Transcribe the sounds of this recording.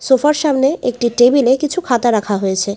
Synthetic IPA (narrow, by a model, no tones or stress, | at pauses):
sofaɾʃamneʔek̚ʈiʈebilekit͡ɕʰukʰat̪aɾakʰaɦojet͡ɕʰe